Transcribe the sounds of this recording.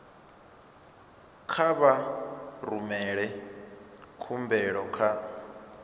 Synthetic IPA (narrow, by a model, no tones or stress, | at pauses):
kʰaβaɾumɛɺɛ | kʰumbɛɺɔkʰa